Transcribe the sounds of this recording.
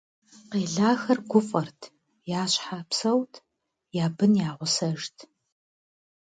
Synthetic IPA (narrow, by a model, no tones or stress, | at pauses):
qeːɮaːxɐrɡʷʊfʼɐrtʰ | jaːɕħapsɐwtʰ | jaːbɨnjaːʁʷʊsɐʒtʰ